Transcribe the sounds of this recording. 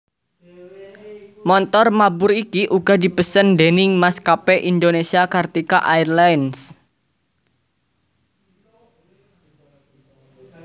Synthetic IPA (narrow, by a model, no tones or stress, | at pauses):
mɔnt̪ɔrmabʊɾikiʔuɡ̥a̤di̤pəsənd̪enɪŋmaskapeʔind̪onesiakart̪ika̰ʔairlans